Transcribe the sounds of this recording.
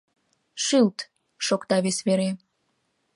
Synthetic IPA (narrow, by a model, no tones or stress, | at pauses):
ʃilt̪ | ʃokt̪ɑβesβeɾe